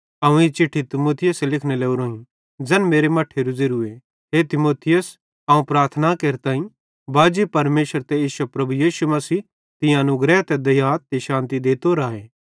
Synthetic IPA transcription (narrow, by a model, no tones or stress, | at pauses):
ɐũit͡ʃɪʈʰːit̪ɪmoːt̪ʰɪjəselɪkʰneleːuɾoːɦĩ | d͡ʒɛnmeːɾemɐʈʰːeɾʊzeɾʊe | ɦet̪ɪmoːt̪ʰɪjəs | ɐũpɾaːɾt̪ʰnakeːɾt̪ãːĩ | baːd͡ʒipɐɾmeːʃəɾt̪eeːʃɐpɾɐbujiːʃumɐsiː | t̪ɪ̃jãnʊ̃ɡɾɛːt̪ɛd̪ɐjaːt̪eʃãːnt̪id̪eːt̪oɾaːɦeː